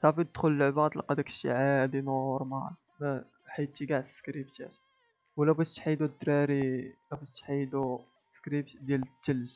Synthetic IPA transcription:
sæfid̪xʊləlʕbæd̪ˤlqɑd̪ækə̥ʃḭʕad̪inoɾˤmal | mæ | ħajt̪ːiɡaʕd̪skɾibt̪æ̰t̪ | wlæbæt̪ħid̪ud̪ɾæɾilæbætt̪ħijd̪u | skɾibt̪d̪jælət̪ːəl

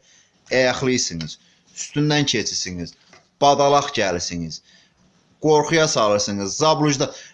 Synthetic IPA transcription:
æjɑχlˠɯjɯsɯŋɯz̥ | yst̪ynd̪æncʰet͡ʃʰiɾsiŋiz̥ | b̥ɑd̪ɑlˠɑχɟælisiŋiz̥ | ɡ̥o̞ɾχujɑsɑlˠɯɾsɯŋɯzːɑblˠuʒd̪ɑ

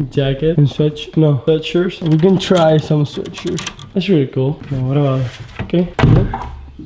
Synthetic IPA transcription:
d͡ʒækɪtə̃nswɪt͡ʃnowɪt͡ʃə˞z̥wiɡə̃ntʰɹ̥aɪsʌ̃mswɪ̰t͡ʃə˞z̥ | æsɹilˠikulˠnowʌɾəbaʊtɪtokʰe

